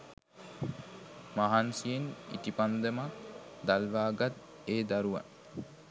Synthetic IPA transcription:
maɦansijenḭt̪ipand̪əmakd̪alʋaːɡat̪ | eːd̪aɾuʋa̰n

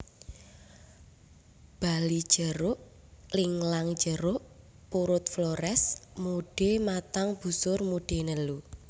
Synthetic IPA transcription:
b̥alid̥ʒ̥əɾʊʔ | lɪŋlaŋ̥d͡ʒəɾʊʔ | puɾʊt̪̚floɾɛsmuɖ̥emat̪aŋb̥ṳsʊrmuɖ̥enəlu

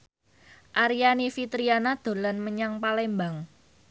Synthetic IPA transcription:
ʔaɾijanifit̪ɾianad̪̥o̤lanməɲaŋpalɛmbaŋ

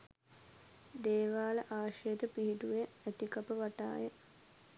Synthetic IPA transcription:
d̪eːʋaːləʔaːʂəjət̪əpiɦiʈuʋeæt̪ikɐpəʋaʈa̰ːjə

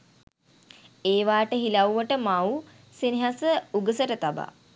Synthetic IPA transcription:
eːʋaːʈəɦilawʋəʈəmawu | siniɦasəuɡəsəʈət̪aba̰

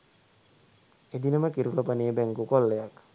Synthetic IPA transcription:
ed̪inɐmɐkiɾulopanebeŋɡukɔlːejak

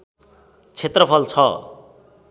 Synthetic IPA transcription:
t͡sʰet̪rʌpʰʌlt͡sʰʌ

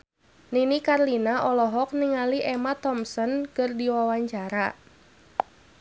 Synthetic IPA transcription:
ninikarlinaʔɔlɔɦɔk̚niŋaliʔɛmat̪ɔmsɔnkɨrdiwawaɲt͡ʃaɾa

